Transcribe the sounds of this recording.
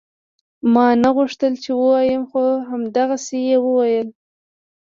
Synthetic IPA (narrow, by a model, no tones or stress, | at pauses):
mɑnaɣuʂt̪əlt͡ʃewəwɑjəmxoɦamd̪aɣasejewəwajəl